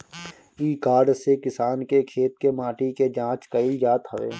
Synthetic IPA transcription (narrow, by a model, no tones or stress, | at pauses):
iːkaːɖsekɪsaːnkekʰeːt̪̚kemaːʈiked͡ʒãːt͡ʃkəɪld͡ʒaːt̪ɦəʋḛː